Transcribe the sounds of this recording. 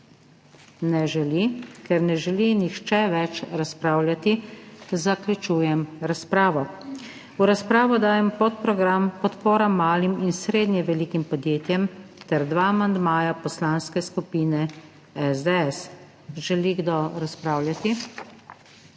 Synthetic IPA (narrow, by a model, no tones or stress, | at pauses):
nɛʒɛlikɛɾnɛʒɛlinixt͡ʃɛʋɛt͡ʃɾaspɾaːwlʲjat̪izaklʲut͡ʃuːjɛmɾaspɾaːʋɔ | uɾaspɾaːʋɔd̪aːjɛmpot̪̚pɾɔɡɾampɔt̪poːɾamːaːliminsɾeːd̪njɛʋɛlikimpɔd̪jeːt̪jɛmt̪ɛɾd̪ʋaːmand̪maːjapɔslaːnskɛskupiːnɛ | ɛzd̪ɛɛs | ʒɛliɡd̪oɾaspɾaːwlʲjat̪i